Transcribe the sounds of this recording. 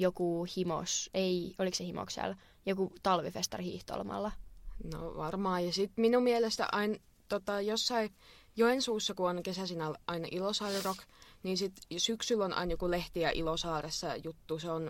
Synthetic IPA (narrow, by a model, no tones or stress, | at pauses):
jokuhimo̰seioliksehimo̰ksæ̰l | jokut̪ɑlʋifest̪ɑrhḭːht̪o̰lmɑ̰lːɑno̰ʋɑrmɑːjɑsit̪minummielest̪æ̰ʔɑin | t̪ot̪ɑjosːɑijoensuːsːɑkuonkesæsinɑlʔɑinɑʔilosɑːrirokniːnsit̪syksylːonɑ̰injokuleht̪iæʔilosɑːresːɑjut̪ːuseon